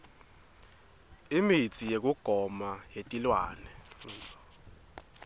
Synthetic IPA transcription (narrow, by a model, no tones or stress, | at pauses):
imit͡sʰʼijek̬ʼuɡ̥ʱɔmajetʼilwa̰ːnɛnd͡zɔ